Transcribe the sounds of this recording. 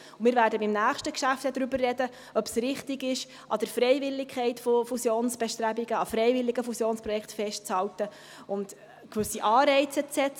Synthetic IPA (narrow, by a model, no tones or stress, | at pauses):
ʊmɪːɾvʋæːɾdəbɪmnæːχʃtəkʃæft̪ɛd̪ɾybərːɛdə | œpsrɪχt̪ɪɡɪʃ | ʔɑd̥̪əɾfɾɛjvɪlːɪkʰχɛɪtfofusjoːnsb̥ɛʃtɾæbiɡəɑfɾɛɪvɪlːiɡəfusjoːnspɾɔjɛkʰtfɛʃtt͡shɑltə | ʊnt | kʋʏsiʔɑːɾɛɪt͡sət͡sɛt͡s